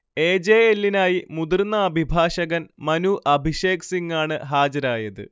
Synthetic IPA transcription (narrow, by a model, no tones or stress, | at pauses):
e̞ːd͡ʑeːelːinaːjimud̪irnːɐːbʱibʱaːʂɐɣɐnmɐnuʔɐbʱiʂe̞ːksiŋːaːɳɨɦaːd͡ʑɐɾaːjɐðɨ̰